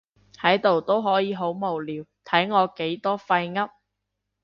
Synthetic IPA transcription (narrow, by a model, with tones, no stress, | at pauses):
hɐ˨˥jt̪o˨wt̪o˥wɦɔː˨˥jiː˨˧ɦo˨˥wmo˨˩wliː˨wt̪ʰɐ˨˥jŋɔː˨˧ke˨˥jt̪ɔː˥fɐ˧jŋɐ˥p̚